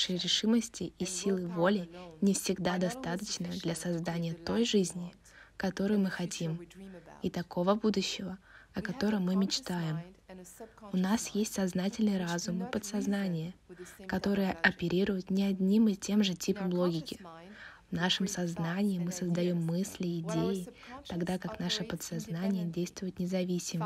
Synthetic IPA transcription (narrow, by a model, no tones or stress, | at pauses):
ʂɨjɾʲɪʂɨməsʲtʲɪisʲilˠɨvo̞lʲɪnʲɪfsʲɪɡd̪ad̪ɐst̪at̪ət͡ɕnəd̪lʲɐsɐzd̪anʲɪjət̪o̞jʐɨzʲnʲɪ | kɐt̪o̞ɾɨjmɨxɐtʲimit̪ɐko̞vəbud̪ʊɕːɪvəɐkɐt̪o̞ɾəmɨmʲɪt͡ɕt̪ajɪm | ʊnasjesʲtʲsɐznatʲɪlʲnɨjəɾazʊmɨpət̪sɐznanʲɪjəkɐt̪o̞ɾɨjəʔɐpʲɪɾʲiɾʊjʊt̪nʲɪɐd̪ʲnʲimɨtʲe̞mʐɨtʲipəmlˠo̞ɡʲɪkʲɪvnaʂɨmsɐznanʲɪɪmɨsəzd̪ɐjo̞mːɨsʲlʲɪːdʲejɪ | t̪ɐɡd̪akaknaʂɨpət̪sɐznanʲɪjədʲejst̪vʊjʊt̪nʲɪzɐvʲisʲɪm